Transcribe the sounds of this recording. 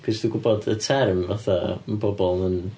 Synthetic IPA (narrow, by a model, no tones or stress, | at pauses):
kʰəsd̥uɡʊbɔdətʰɛrmvaθa̰məbɔbɔlˠnən